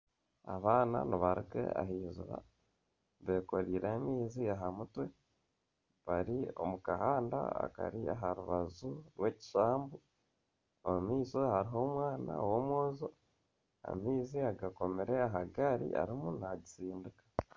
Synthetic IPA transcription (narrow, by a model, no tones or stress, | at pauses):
aβaːna̰niβaɾikḛa̰ɦiːzṵɾa̰ | βe̞ko̞ɾiːɾʔaːmiːziaɦamutwe̞ | βaɾio̞̰mukahaːnda̰a̰ka̰ɾiaɦaɾuβazuɾweːci̥ʃaːmbu | omumiːsohaɾiɦo̞ːmwaːna̰womwoːzo | a̰miːziaɡako̞meɾe̞aɦaɡaɾḭʔa̰ɾimunaɟisiːndikḁ